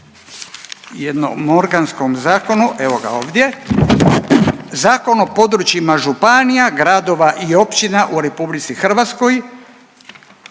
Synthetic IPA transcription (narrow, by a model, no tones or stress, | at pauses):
jed̪no̰mo̞ɾɡansko̞mzaːko̞nuʔeʋo̞ɡa̰oːʋd̪je̞ | zaːko̞no̞po̞d̪ɾut͡ʃimaʒupanijaɡɾad̪o̞ʋaʔio̞pt͡ɕinaʔuɾe̞publit̪sixr̩ʋat̪sko̞j